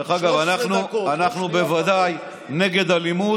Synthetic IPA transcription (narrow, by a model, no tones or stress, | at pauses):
eχaɡavanaχnuanaχnube̞vad̪aj | ne̞ɡe̞d̪halimu